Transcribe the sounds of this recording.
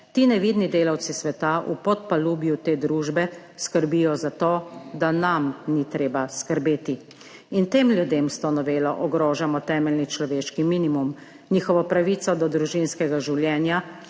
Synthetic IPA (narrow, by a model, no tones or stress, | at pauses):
t̪iːnɛʋid̪nid̪eːlawt̪sisʋɛt̪aʔupɔt̪̚paluːbjut̪eːd̪ɾuːʒbɛ | skəɾbijɔzat̪oːd̪anamnit̪ɾeːbaskəɾbeːt̪i | int̪eːmlʲjud̪emst̪ɔnɔʋeːlɔʔɔɡɾoːʒamɔt̪ɛːmɛlnit͡ʃlɔʋeːʃkiminimum | niːxɔʋɔpɾaʋiːt̪sɔd̪ɔd̪ɾuʒinskɛɡaʒiwljɛːnja